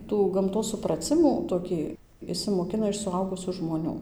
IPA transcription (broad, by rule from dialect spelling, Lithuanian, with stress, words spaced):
ˈtuː ɡɐmˈtoːs sʊprɐˈt͡sʲɪmuː toːˈkʲiː ɪʃʲsʲɪmoːˈkʲɪnɐ ɪʃ sʊˈɐʊɡʊsʲuː ʒmoːˈnʲuː